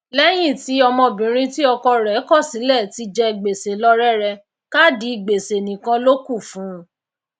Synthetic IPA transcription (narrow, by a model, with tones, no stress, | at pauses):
lɛ˦j̃ĩ˦˨ti˨˦ɔ˧mɔ̃˧bĩ˨ɾ̃ĩ˧ti˦ɔ˧kɔ˧ɾɛ˨˦kɔ˦˨si˨˦lɛ˦˨ti˨˧d͡ʒɛ˧ɡ͡be˨se˨lɔ˦ɾɛ˦ɾɛ˧ | ka˦di˨˦˧ɡ͡be˨se˨nĩ˨kã˧lo˦ku˦˨fũ˨˦